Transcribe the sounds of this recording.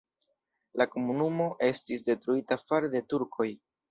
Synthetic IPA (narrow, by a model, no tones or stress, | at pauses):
lako̞munumo̞ʔe̞stisde̞tɾuitafaɾde̞tuɾkʰo̞j